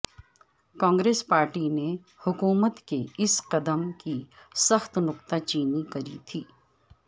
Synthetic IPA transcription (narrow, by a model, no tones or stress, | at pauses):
kãːŋɡɾeːspaːɾʈine | hʊkuːmət̪keɪsqɐd̪əmkisɐxt̪nʊqt̪at͡ʃiːnikɐɾit̪ʰiː